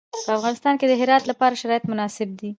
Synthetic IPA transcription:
pəafɣɑnɪst̪ɑnked̪əɦɪɾɑt̪lapɑɾaʃaɾɑjat̪mʊnɑsɪb̚d̪i

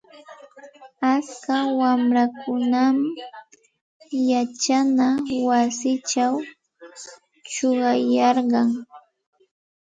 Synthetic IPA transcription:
at͡skawamɾakʊnam | jat͡ʃanawasɪt͡ʃaw | t͡ʃoɢɑjɑɾɢɑŋ

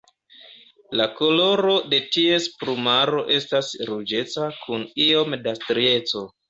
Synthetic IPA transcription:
lako̞lo̞ɾo̞de̞tie̞spɾumaɾo̞ʔe̞stasɾud͡ʒe̞t͡sakʰunio̞mdastɾie̞t͡so̞

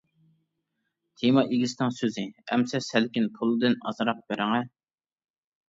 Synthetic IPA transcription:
t̪ʰemɑʔeɡʲisɪnɨŋsøzɪɛ̰msɛsælkʲɪnpʰʊlˠɨd̪ɨnɑ̰zɾɑq̚b̥æɾɪŋæ

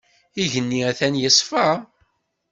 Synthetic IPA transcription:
iʝənːiæθænjəsˤfə

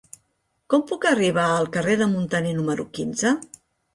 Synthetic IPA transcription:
kɔmpukəriβ̞aəlˠkəreðəmunt̪ənenuməɾukinzə

